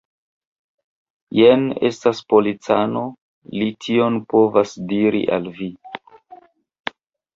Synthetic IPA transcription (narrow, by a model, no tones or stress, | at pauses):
jene̞̰staspo̞lit͡sano̞ | litʰio̞npo̞vasdiɾḭʔa̰lvi